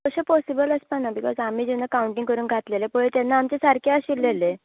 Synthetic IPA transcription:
əɕəpɔsibələspanabikɔ̰zam̤iːd͡ʑunːakauɳʈĩŋɡkəɾuːnɡʱat̪lelepəɭet̪janːaːmt͡ɕesaɾkeaɕilːele

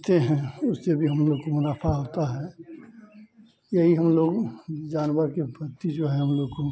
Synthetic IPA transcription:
t̪eɦɛ̃ʊsːebʱiɦɐmloːɡkomʊnaːfʰaɦoːt̪aɦɛː | jɐɦiɦɐmloːɡd͡ʒaːnʋəɾkebʱɐɾt̪id͡ʒoːɦɛɦɐmloːɡko

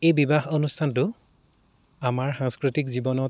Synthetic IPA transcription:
ejbibaxonustʰantʊ | amaɹxãŋskɹitikzibɔnɔt

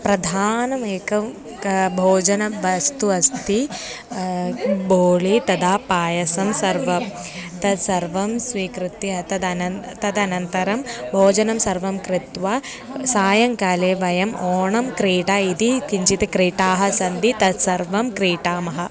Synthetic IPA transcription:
pɾɐd̪ʱaːnɐmeːkɐm | bʱoːd͡ʒɐnɐʋɐst̪uɐst̪i | boːɭit̪ɐd̪aːpaːjɐsɐmsɐɾʋɐ | t̪ɐd̪sɐɾʋɐmsʋiːkɾɪt̪iɐt̪ɐd̪ɐnɐt̪ɐd̪ɐnɐnt̪ɐɾɐmbʱoːd͡ʒɐnɐmsɐɾʋɐmkɾɪt̪ʋa | saːjɐŋkaːleːʋɐjɐmoːɳɐmkɾiːʈaːid̪ikiɲt͡ʃit̪ekɾiːʈaːɦɐ̆sɐnd̪it̪ɐd̪sɐɾʋɐmkɾiːʈaːmɐɦɐ̆

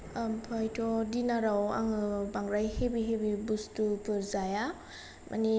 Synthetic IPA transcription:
ampʰajtʰɔdinaɾawa̰ŋɯbaŋɾajhebiɦebibustupʰɯɾzaja | mʔa̰ni

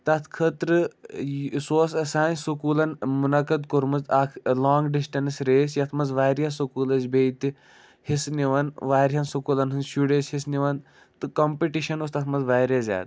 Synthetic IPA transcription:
t̪ɐt̪ʰkʰɐt̪ɾɨ | soːsɐsaːnsukuːlɐnmunɐkɐd̪kuɾmɐzakʰlaːŋɡɖisʈɐnsɾeːsjɐt̪ʰmɐnzʋaːɾjasukuːlɐzbejt̪i | hisniʋɐnʋaːɾʲɦɐnsukuːlɐnɦunʃuɽeshisniʋɐn | t̪ɨkɐmpiʈiʃɐnost̪ɐt̪ʰmɐnzʋaːɾɐzʲa̰ːd̪

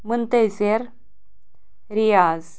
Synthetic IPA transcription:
mɨnt̪ezeɾ | ɾijaz

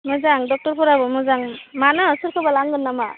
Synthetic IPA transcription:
mɯzaŋdɔk̚tɔɾpʰɔɾabɔmɯzaŋmanɯsuɾkʰɯbalaŋɡɯnːama

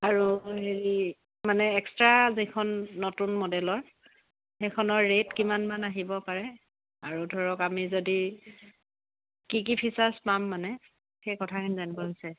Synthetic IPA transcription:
aɹuɦeɹi | manɛɛkstɹazikʰɔnːotunmɔdɛlɔɹ | xekʰɔnɔɹːetkimanmanaɦibɔpaɹɛ | aɹudʱɔɹɔkamizodi | kikipʰisaspamːanɛ | xejkɔtʰakʰinizanibɔɦojsɛ

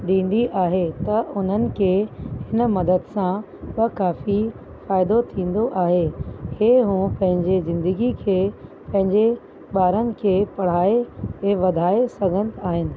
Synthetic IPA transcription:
ɗĩːn̆d̪iʔaːɦet̪ɐʔʊn̤ənɪ̆kʰeːhɪn̆mɐd̪əd̪sã | ɓɐkaːfi | faːɪd̪ot̪ʰĩːn̆d̪oʔaːɦeheːɦũːpɐ̃ɦɪ̃ɲd͡ʑezɪ̃nd̪əɡikʰeː | pɐ̃ɦɪ̃ɲd͡ʑe | ɓaːɾənɪ̆kʰeːpɐɽ̤aːeɦeʋɐd̪ʱaːesɐɡʱə̃nt̪aːɦɪnɪ̆

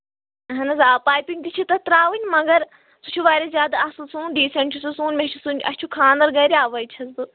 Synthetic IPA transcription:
ɦɐnɐzaːpaːjpʲiŋɡd̪it͡ʃʰit̪ɐt̪ɾaːʋɨnʲmɐɡɐɾ | sut͡ʃʰuʋaːɾʲɐzʲjaːd̪asusuːnɖiːsɐɳʈisusũːnmʲet͡ʃʰusunʲɐ̰st͡ʃʰukʰãːnd̪ɐɾɡɐɾʲiaːʋɐjt͡ʃʰɐzbɨ

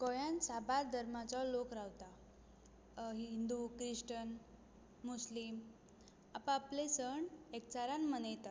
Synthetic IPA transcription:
kɔjansabaɾd̪ʱəɾmat͡sɔlokɾawt̪a | ɦiind̪ukɾiʂʈən | muslim | apə̃aplesəɳek̚t͡saɾanmənəjt̪a

